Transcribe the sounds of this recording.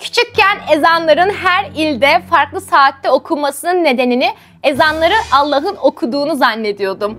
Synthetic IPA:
cʰi̥t͡ʃʰic̚cænezanlˠaɾɯnɦæɾilʲd̪ɛfaɾklˠɯsaːt̪ːɛo̞kʰumasɯnɯnːe̞d̪e̞nini | ezanlˠaɾɯnalˠːaɦɯno̞kʰud̪uːnuzanːe̞d̪ijo̞d̪um

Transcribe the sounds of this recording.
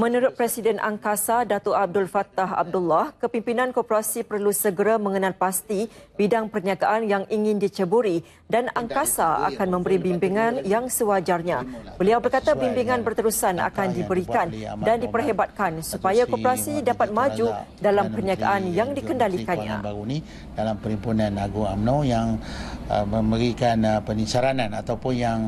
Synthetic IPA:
mə̃nuɾʊt̪̚pɾɛsidɛnʔa̰ŋkasadat̪oʔab̚dʊlfat̪aɦa̰b̚dulːahkəpimpinãnkopəɾasipərlusəɡəɾamə̃ŋənalpast̪ib̥idaŋpərɲiakaʔanjaŋʔiŋɪ̃ndit͡ʃəbuɾi | danaŋkasaa̰kanmə̃mbəɾibimbiŋãnjaŋsəwad͡ʒarɲãbəliawbərkat̪abimbiŋãnbərt̪əɾusana̰kandibəɾikandandipərɦebat̪̚kansupajakopəɾasidapat̪̚mad͡ʒu | dalampərɲaka̰ʔanjaŋdikəndalikanɲã̰uni | dalampəɾimpunanaɡuŋamnojaŋ | məmbəɾikanpənisaɾananat̪awpʊnjaŋ

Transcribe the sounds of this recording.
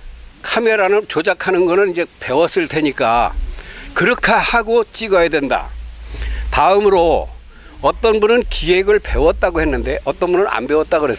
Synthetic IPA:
kʰameɾanɯnt͡ɕod͡ʑakʰanɯnɡʌnɯnid͡ʑe̞pe̞wʌs͈ɯɭtʰe̞ɲik͈a̰ | kɯɾʌkʰahaɡot͡ɕ͈iɡʌjadwe̞nda̰ | taɯmɯɾo | ʌt͈ʌnbunɯnkiwe̞ɡɯɭpe̞wʌt̚t͈aɡohe̞nːɯnde̞ʔʌt͈ʌnbunɯna̰nbe̞wʌt͈̚aɡoɦes

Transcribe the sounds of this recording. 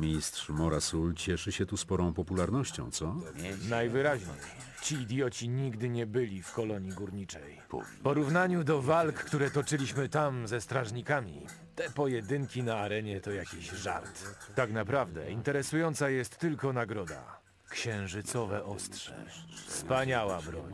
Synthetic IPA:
mʲɲist̪ʂmɔɾasult͡ɕɛʂɘɕɛt̪uspɔɾɔ̃w̃pɔpulaɾnɔɕt͡ɕɔ̰̃w̃t̪sɔnajvɘɾaʑɲḛj | t͡ɕiːd̪ʲjɔt͡ɕiɲiɡd̪ɘɲɛbɘlʲifkɔlɔɲiɡuɾɲit͡ʂɛ̰j | pɔɾuvnaɲud̪ɔvalkkt̪uɾɛt̪ɔt͡ʂɘlʲiɕmɘt̪amzɛst̪ɾaʐɲikamʲḭ | t̪ɛpɔjɛd̪ɘŋkʲinaːɾɛɲɛt̪ɔjakʲiɕʐa̰ɾt̪t̪aknapɾavd̪ɛ̰int̪ɛɾɛsujɔnt̪sajɛst̪ːɘlkɔnaɡɾɔd̪a̰ | kɕɛ̃w̃ʐɘt̪sɔvɛʔɔst̪ʂɛ̰fspaɲawabɾɔ̰ɲ

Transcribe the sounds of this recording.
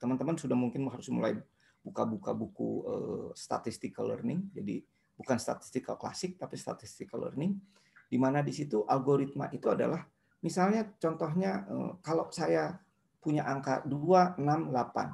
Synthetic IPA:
t̪əmant̪əmansudahmuŋkɪnɦaɾʊsmṵla̰j | bukabuka̰bukṵə̰st̪a̰t̪ist̪ɪkalə̰rnɪŋd͡ʒadḭ | bukanst̪a̰t̪i̥st̪ɪkːakla̰sɪk̚t̪apist̪a̰t̪ist̪ɪkalə̰rnɪŋ | dimanadisit̪uʔalɡoɾit̪̚ma̰ʔit̪uada̰lah | misalɲat͡ʃɔnt̪ɔɦɲaə̰kalowsaja | puɲaʔaŋka̰duaənamlapa̰n

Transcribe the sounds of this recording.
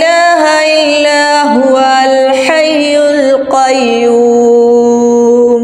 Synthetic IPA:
aːɦaʔɪlːaː | ɦʊwa | l | ħajːʊl | qɑjːuː | m | m

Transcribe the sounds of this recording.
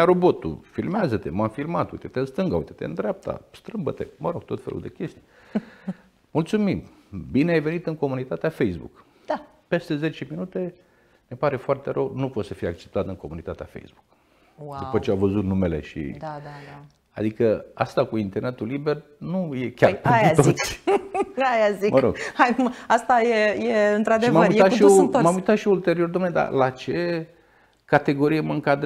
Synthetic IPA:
aɾo̞bo̞t̪ṵfilmeazət̪e̞mamfilmat̪ṵjt̪et̪eɨnst̪ɨŋɡəaujt̪e̥t̪ḛɨnd̪ɾʲap̚t̪ʰa̰st̪ɾɨmbə̰t̪e̞̰məɾo̞ɡ̥̚t̪o̞t̪felʔṵd̪ekʲe̞st̪i̥ | mult̪sumim | bineajve̞nit̪ɨŋko̞munit̪at̪eafejzbṵk | pe̞st̪e̞ze̞t͡ʃeminut̪e̞ | ne̞paɾe̞foart̪e̞ɾəwnupo̞t̪səfijeak̚t͡ʃe̞̥p̚t̪at̪ɨŋko̞munit̪at̪ea̰fḛjzbu̥k | wad̪udpət͡ʃeawvəzut̪nume̞le̞̰ʃḭd̪ad̪aa | a̰d̪ikəa̰st̪akuint̪ernet̪ulibe̞rnuje̞kʲarpejkeat̪oit̪s | ajaziməɾo̞̰ɡ̥hajmast̪ajejeɨnt̪ɾad̪ʃivmaməuijeat̪ʃiomamujt̪at̪ʃiult̪e̞ɾio̞rd̪oamned̪a̰lat͡ʃe̞ | kat̪e̞ɡo̞ɾijeməɨŋkad̪

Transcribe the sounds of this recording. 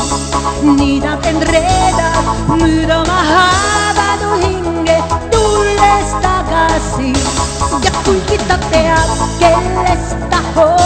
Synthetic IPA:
niðaenreðamyðamaɦaβaðohiŋɡed̪ulest̪akasiɡakːulkit̪ːat̪ːeakeles | t̪aho

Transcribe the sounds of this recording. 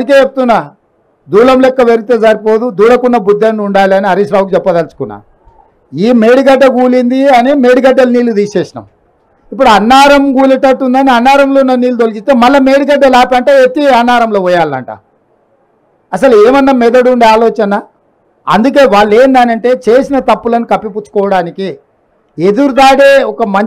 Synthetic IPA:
ɐik̬eːt͡ʃep̚t̪unːa | d̪uːlɐmlɛkːɐʋeɾiit̪eːzɐɾipo̞ːd̪ud̪uːɽɐkunːɐbud̪ːɐnːuɳɖaːliɐniɐɾisɾaːwkut͡ʃɛpːɐd̪ɐlsu̥kunːa̰ | iːmeːɽiɡɐɖːɐɡuːlind̪iɐnimeːɽiɡɐɖːɐlniːlud̪iːseːʃinɐ̰m | ip̬ːuɽuɐnːaːɾɐmɡuːlɐʈɐʈːund̪ɐniɐnːaːɾɐmlo̞ːunːɐniːlud̪olikist̪eːmɐlːɐmeːɽiɡɐɖːɐlaːpɐɳʈeːet̪ːiɐnːaːɾɐmlo̞ːʋɔjaːlːɐ̰ɳʈɐ̰ | ɐs̬ɐlueːmɐnːɐmɛd̪ɐɽuɳɖaːloːt͡ʃɐnɐ | ɐ̰nd̪uk̬e̞ːʋaːɭːeːnd̪aːnɐɳʈe̞ːt͡ʃe̞ːsinɐt̪ɐpːulɐnikɐpːip̬ut͡ʃːu̥kɔːʋɐɽaːniki | ed̪uɾud̪aːɽeːɔkɐmɐɲ

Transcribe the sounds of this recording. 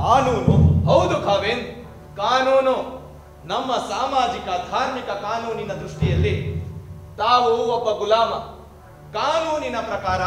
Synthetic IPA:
kaːnuːnuɦɐwd̪ukʰaːʋeːn | kaːnuːnu | nɐmːɐsaːmaːd͡ʒikɐd̪ʱaːɾmikɐkaːnuːninɐd̪ɾuʂʈijɐlːi | t̪aːʋuɔbːɐɡulaːmɐ | kaːnuːninɐpɾɐkaːɾɐ

